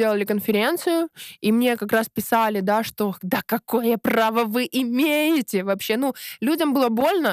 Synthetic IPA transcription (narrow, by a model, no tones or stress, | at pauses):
elˠəlʲɪkənfʲɪɾʲe̞nt̪sɨjʊimnʲe̞kɐkɾaspʲɪsalʲɪd̪aʂt̪o̞d̪əkɐko̞jəpravəvɨʔɪmʲejɪtʲɪvɐpɕːe̞nulʲudʲəmbɨlˠəbo̞lʲnə